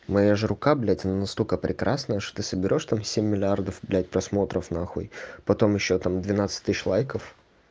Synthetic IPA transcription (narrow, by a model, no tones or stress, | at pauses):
mɐjaʐɨɾʊkablʲætʲɐnanɐst̪okəpɾʲɪkɾasnəjəʂt̪o̥t̪ɨsəbʲɪɾʲo̞ʂt̪amsʲemʲːɪlʲɪard̪əfblʲæt̚ʲpɾɐsmo̞t̪ɾəfnaxṵjpɐt̪o̞mjɪɕːot̪amd̪vʲɪnat̪sɨ̥tʲt̪ɨɕlˠajkəf